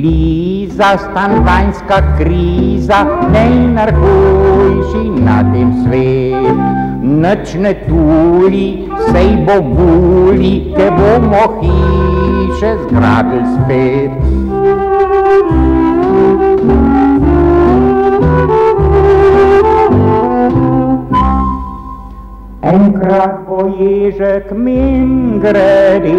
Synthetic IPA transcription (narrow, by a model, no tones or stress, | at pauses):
lizast̪ant̪ajnskakɾizanɛinəɾkojʃina̰t̪emsʋet̪ | nət͡ʃnɛt̪uli | sɛjbobulit̪ɛbomɔxi | ʃɛzɡɾa̰ːd̪əlspeɾ | ɛŋkɾat̪bɔjeʒək̪miŋɡɾɛɾi